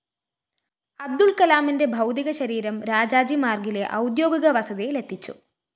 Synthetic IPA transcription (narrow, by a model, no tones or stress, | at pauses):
ɐb̚d̪ulkɐlaːminde̞bʱɐwd̪iɣɐɕɐɾiːɾɐmɾaːd͡ʑaːd͡ʑimaːrɡile̞ʔɐwd̪jo̞ːɡiɣɐʋɐsɐðejle̞t̪ʰːit͡ɕːṵ